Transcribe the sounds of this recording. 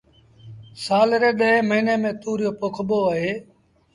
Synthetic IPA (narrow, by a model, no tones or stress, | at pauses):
saːlɾeːɗəɦẽməiːneːmẽːt̪uːɾɪjoːpʊkʰɓoːəɦeː